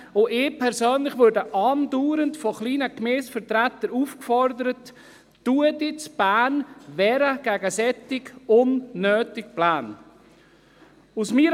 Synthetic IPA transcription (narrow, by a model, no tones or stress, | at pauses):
ʊʔɪpʰɛɾsøːnlɪχʋʊɾdəʔɑːnduːɾəntfɔχliːnəkmeːsfəɾtɾætːəɾuːfkfɔɾdəɾətː | uədit͡sb̥æːnvɛːɾəɡ̥ɛɡəsɛtɪkʊnːøːtɪk̚plaːn | usmiːɾ